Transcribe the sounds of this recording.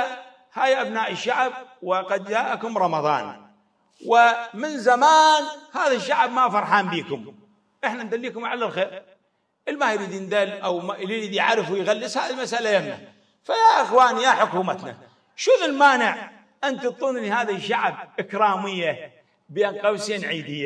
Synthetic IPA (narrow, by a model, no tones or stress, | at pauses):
haːjʔabnaːʔəʃːaʕb̚wɪqɑd̪̚d͡ʒaːʔakʊmɾˤɑmɑðˤɑ̰ːn | wɪmɪnzamaːnhaːðaʃːaʕbmafɑɾˤħaːnbiːkʊm | ʔəħnand̪alːiːkʊmʕalalxeːɾ | ʔɪlmajɾiːd̪jɪnd̪alːʔawmalɾiːd̪jʕaɾəfwɪjɣalːɪshaːðilmasʔalajamna̰ | fajaʔɪxwaːnijaħʊkuːmat̪na̰ | ʃʊðɪlmaːnɪʕ | ʔɪnt̪ət̪ˤːuːnlihaːðaʃːaʕb̚ʔɪkɾaːmɪjːa | benqɑwsiːnʕiːd̪ɪjːa